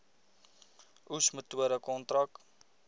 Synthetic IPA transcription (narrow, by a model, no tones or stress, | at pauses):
ʔusmətuəɾəkɔntɾɐk